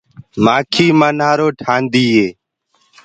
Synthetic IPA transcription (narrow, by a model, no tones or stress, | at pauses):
maːkʰiːmanaːɾoːʈʰaːnd̪iːɦeː